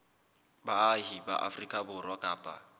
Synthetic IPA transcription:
baɦiba̰ʔa̰frikʼabʊrwakʼaːpʼa̰

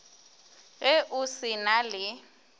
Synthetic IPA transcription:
ɣɛʔusinalɪ

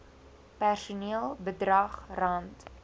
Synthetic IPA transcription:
pærsuniəlˠbədrɐχrɐnt

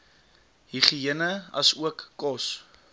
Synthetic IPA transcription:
ɦiχiənəɐsuəkːɔs

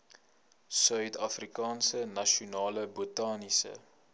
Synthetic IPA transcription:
sœɥtɐfrikɑːnsənɐʃiunɑːləbotɑːnisə̰

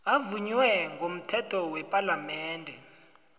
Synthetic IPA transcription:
avuɲwɛŋʱom̩tʰɛtʰɔwɛpʼalamɛːndʱɛ

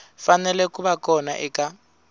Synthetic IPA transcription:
fanɛlɛkʼubakʼɔna̰ʔɪka

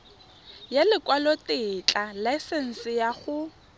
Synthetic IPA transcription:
jalɪkʼwalotɪːt͡ɬʼalaɪsɛn̩sɪjaχʊ

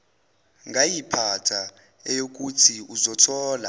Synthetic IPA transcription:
ŋɡʱajipʰatʰa | ɛjok̬utʰiuzɔtʰɔːla̰

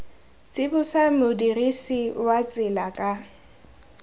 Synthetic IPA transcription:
t͡sʼɪbʊsamʊdirisiwat͡sʼɪlakʼa

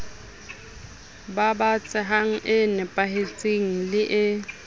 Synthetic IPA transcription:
babat͡sʼɪɦaŋ̩ʔɪnɪpʼaɦet͡sʼeŋ̩lɪʔɪ

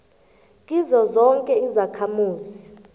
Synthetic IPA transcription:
kʼizɔzɔŋkʼɛizakʰamuːzi

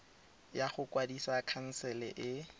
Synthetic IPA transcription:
jaχʊkʼwadisakʰan̩sɛlɛ̰ʔɪ

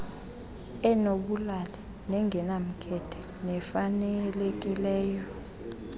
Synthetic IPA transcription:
ɛnoɓulalɛ | nɛŋʱɛnam̩kʰɛtʰɛ̥ | nɛfanɛlek̬ʼilɛːjɔ

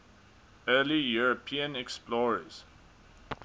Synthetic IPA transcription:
ɜːlijuɹəpʰĩə̃nɛksplɔɹəz̥

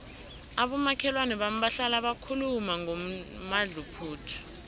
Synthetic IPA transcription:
aɓɔmakʰɛlwanɛɓam̩ɓaɬalaɓakʰulumaŋɔmaɮupʰuːtʰi̥

